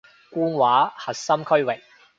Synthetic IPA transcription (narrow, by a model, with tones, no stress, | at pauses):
kuː˥nwaː˨˥hɐ˨t̚sɐ˥mkʰɵ˥ɥwɪ˨k̚